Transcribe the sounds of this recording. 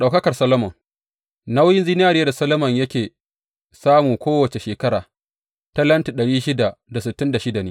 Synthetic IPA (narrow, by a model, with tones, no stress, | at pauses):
ɗa˨wkɐ˦kɐ˨rsɐ˦lɐ˦mɐ˨ŋ | na˦wjɪ˦nzi˦n˦aː˦˨ɾɪ˦ja˦da˨sɐ˦lɐ˦mɐ˨ɲjɐ˦kʲeː˨ | saː˦mu˨kʷoː˦wɐ˨t͡ʃe˨ʃeː˨kɐ˦ɽaː˨ | ta˦lɐ˦nti˨ɗɐ˨ɽiː˦ʃɪ˦da˨da˨sɪ˨tːɪ˦nda˨ʃɪ˦da˨neː˦